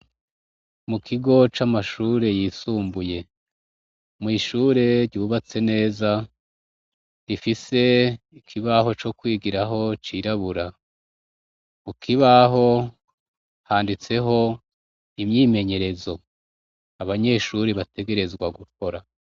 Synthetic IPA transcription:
mukʰiɡo̞t͡ʃamaʃuːɾe̞jisuːmbuje̞ | mŋiːʃuːɾe̞ɾɟuːβat͡se̞ne̞ːza | ɾifise̞ | ikʰiβaɦo̞t͡ʃo̞kwiːɡiɾaɦo̞t͡ʃiɾaβuɾa | mukʰiβaɦo̞ | haːndit͡se̞ɦo̞ | imɲiːme̞ɲe̞ɾe̞zo̞ | aβaɲe̞ːʃuɾiβatʰe̞ɡe̞ɾe̞zɡwaɡukʰo̞ɾa

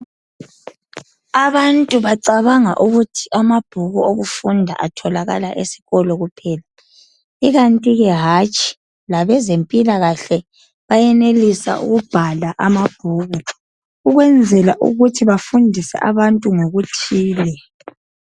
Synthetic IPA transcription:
aβantʼuβaǀaβaŋa̰ʔuɣutʰiamab̥ʱuɣuoɣufundʱa̰ʔatʰɔlaɣa̰laʔesi̥ɣɔlɔɣupʰɛla | iɣantʼiɣɛɦat͡ʃʼi̥ | laβɛzempʼilaɣaɬɛ | βajɛnelisa̰ʔṵɣub̥ʱalaʔamab̥ʱuːɣu | uɣwɛnd͡zʱɛlaʔṵɣutʰiβafundʱisɛ̰ʔaβantʼuŋoɣutʰiːlɛ

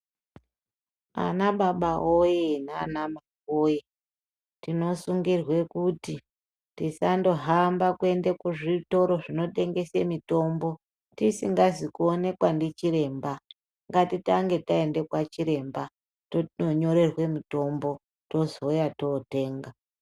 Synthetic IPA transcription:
a̰naɓaɓaojena̰ːnama | oje | tino̞suŋɡirwe̞kuti | tisando̞ɦambakue̞nde̞kuʐito̞ɾo̞ʐino̞te̞ŋɡe̞se̞mito̞mbo̞ | tisiŋɡazikuone̞kwandit͡ʃiɾe̞ːmba | ŋɡatitaŋɡe̞tae̞nde̞kwat͡ʃiɾe̞mba | tonoɲo̞ɾe̞rwe̞mito̞mbo̞ | to̞zo̞jato̞te̞ːŋɡa

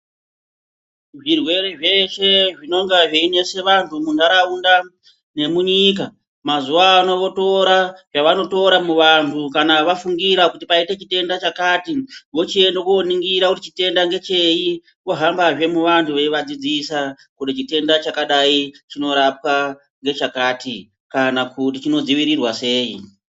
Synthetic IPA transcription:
ʐirwe̞ɾeʐe̞ʃe̞ʐino̞ŋɡaʐeine̞se̞ʋantʰumunaɾaunda | ne̞muɲika | mazuaːno̞ʋo̞to̞ɾaʐaʋano̞to̞ɾamuʋantʰukanaʋafuŋɡiɾakutipaite̞t͡ʃite̞ndat͡ʃakatiʋo̞t͡ʃie̞ndokuoniŋɡiɾakutit͡ʃite̞ndaŋɡe̞t͡ʃe̞i | koɦambaʐe̞muʋantʰuʋe̞iʋad͡zid͡zisa | kudit͡ʃite̞ndat͡ʃakaɗait͡ʃino̞ɾap̚wa | ŋɡe̞t͡ʃakaːti | kanakut̬it͡ʃino̞d͡ziʋiɾirwase̞ːḭ

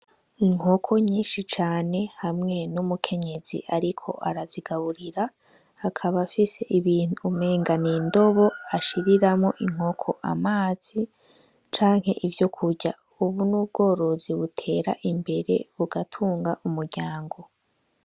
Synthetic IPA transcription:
iŋ̥okʰo̞ɲiːnʃit͡ʃaːne̞hamŋe̞numukʰe̞ɲe̞zḭʔaɾikʰo̞̰ʔaɾaziɡaβuɾiɾaː | kʰaβafise̞ʔiβiːn̥ume̞ːŋɡanindo̞βo̞aʃiɾiɾamŋo̞ʔiŋ̥ho̞kʰo̞ʔa̰maːz̥i | t͡ʃaːŋ̥he̞ʔivjo̞kʰuɟa | uβunub̚ɡo̞ːɾo̞ziβutʰe̞ːɾa̰ʔimbe̞ɾe̞̰βuɡatʰuːŋɡaʔumuɾɟaːŋɡo̞

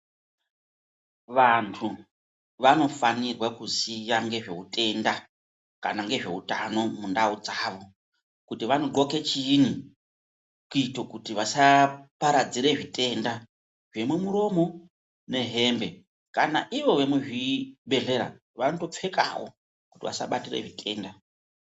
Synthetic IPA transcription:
ʋantʰu | ʋano̞fanirwakuzijaŋɡe̞ʐe̞ute̞nda | ka̰naŋɡe̞ʐe̞̰ɦutano̞mundaud͡zaːʋo̞ | kutiʋanoǃo̞ke̞t͡ʃiːni | kuito̞kutiʋasapaɾad͡ziɾe̞ʐite̞nda | ʐe̞mumuɾo̞mo̞ | ne̞ɦe̞ːmbe̞ | kanaʔiʋo̞ʋe̞muʐibe̞ɮe̞ɾa̰ | ʋano̞to̞p͡fe̞ka̰wo̞̰ | ku̥tiʋa̰sa̰ɓatirḛʐitʰe̞ːnda

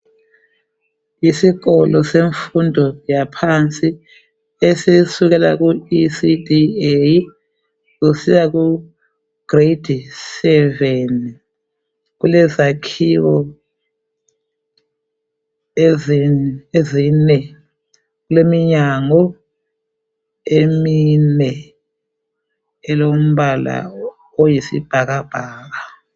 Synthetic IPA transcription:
jisiɣɔlɔseɱfundʱɔjapʰant͡sʼi | esisuɣɛla̰ɣuisidiej | ɣusijaɣu | ɡ̥red̥ʱisɛvɛn | ɣulɛzakʰiwɔ | eziezinɛ | ɣulemiɲaŋɔ | eminɛ | ɛlom̩βala̰ | ojisḭb̥ʱaɣab̥ʱaːɣa

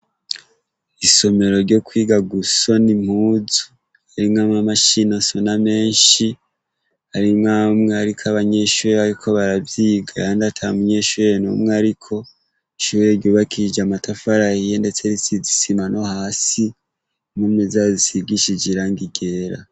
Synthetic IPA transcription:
iso̞me̞ɾo̞ɾɟo̞kwiːɡaɡuso̞nim̥huzu | haɾimŋamŋamaʃinasoname̞ːnʃi | haɾimŋaːmŋeaɾikʰaβaɲeʃuɾeβaɾikʰoβaɾavjiːɡaandatʰamuɲe̞ʃuɾenṵmŋeaɾikʰo̞ | iʃueɾɟoːβakʰid͡ʒamatafaɾahijende̞t͡se̞ɾit͡sizisimano̞haːsi | mumŋezazisiɡiʃid͡ʒiɾaŋɡiɡe̞ːɾa̰

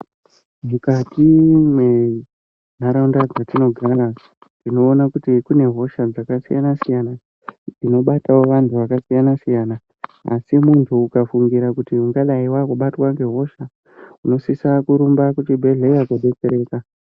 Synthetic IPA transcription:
mukatʰimwe̞ | n̤aɾaundad͡zatino̞ɡʱaɾa | ndino̞ːnakutikune̞ɦo̞ʃad͡zakasija̰nasijana | d͡zino̞ɓatawo̞ʋantʰuʋakasijanasijana̰ː | simuntʰuːkafuŋɡiɾakutiuŋɡaɗaiwakuɓatwaŋɡe̞ɦo̞ʃa | uno̞sisakuɾumbakutibʱe̞ɮeijakoɗe̞t͡seɾe̞ːka

